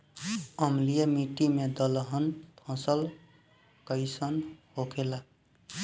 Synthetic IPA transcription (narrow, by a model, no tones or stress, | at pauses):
ʌmlijamiʈimed̪ʌlɦʌnt̪ʰɔ̃sʌl | kʌjsʌnhokʰela